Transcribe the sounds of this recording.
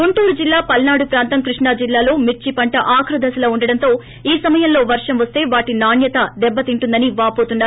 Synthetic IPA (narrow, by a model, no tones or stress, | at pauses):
ɡuɳʈuːɾud͡ʒilːaːpɐlnaːɽupɾaːnt̪ɐmkɾiʂɳaːd͡ʒilːaːlo̞ːmit͡ʃːipɐɳʈɐʔaːkʰɾɐd̪ʱɐsɐlɐuɳɖɐɽɐnt̪o̞ː | iːsɐmɐjɐmlo̞ːʋɐɾʂɐmʋɐst̪e̞ːʋaːʈinaːnjɐt̪ɐd̪ɛbːɐt̪iɳʈund̪ɐniʋaːpo̞ːt̪unːaːɾ